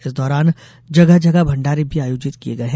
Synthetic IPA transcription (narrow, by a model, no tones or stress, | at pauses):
ɪsd̪ɔːɾaːn | d͡ʒɐɡəɦd͡ʒɐɡəbʱɐ̃ɳɖaːɾibʱiaːjoːd͡ʒɪt̪kieɡɐeɦɛ̃